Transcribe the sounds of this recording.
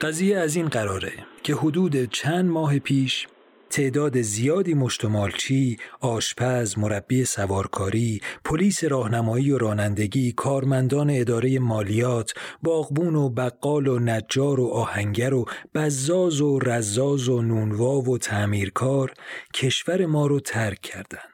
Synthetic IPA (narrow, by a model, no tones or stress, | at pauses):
ɢ̥æziːjeæziːnɢæɾɒːɾe̞cʰe̞ɦod̪uːd̪e̞t͡ʃʰænd̪mɒːɦepʰiːʃ | t̪ʰe̞ʔd̪ɒːd̪e̞zijɒːd̪iːmo̞ʃt̪ʰomɒːlt͡ʃʰiːɒːʃpʰæzmo̞ɾæb̥ːiːe̞sævɒːɾkʰɒːɾiːpʰo̞liːse̞ɾɒːhnæmɒːiːoɾɒːnænd̪e̞ɟiːkʰɒːɾmænd̪ɒːne̞ːd̪ɒːɾe̞je̞mɒːlijɒːt̪ʰbɒːɣbuːno̞bæɣːɒːlonæd͡ʒːɒːɾo̞ʔɒːhæŋɟæɾo̞b̥æzːɒːzoræzːɒːzonuːnvɒːvo̞t̪ʰæmiːɾkʰɒːɾcʰe̞ʃvæɾe̞mɒːɾot̪ʰæɾkʰːæɾd̪ænd̪̥